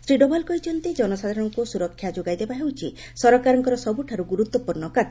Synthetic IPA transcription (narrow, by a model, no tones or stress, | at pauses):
sɾiɖɔbalkɔit͡ʃʰɔnt̪ed͡ʒɔnɔsad̪ʱaɾɔɽɔŋkusuɾɔkʰːjad͡ʒoɡajd̪ebaɦewt͡ʃʰi | sɔɾɔkaɾɔŋkɔɾɔsɔbuʈʰaɾuɡuɾut̪wɔpuɾnɔkat̪